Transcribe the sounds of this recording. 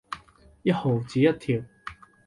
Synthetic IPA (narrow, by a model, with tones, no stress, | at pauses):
jɐ˥t̚ho˨˩wt͡siː˨˥jɐ˥t̚t̪ʰiː˨˩w